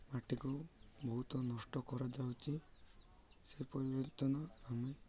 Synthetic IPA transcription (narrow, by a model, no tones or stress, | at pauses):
maʈikubɔɦut̪ɔnɔsʈɔkɔɾad͡ʒawt͡ʃʰi | sepɔɾibɔt̪ɔnɔame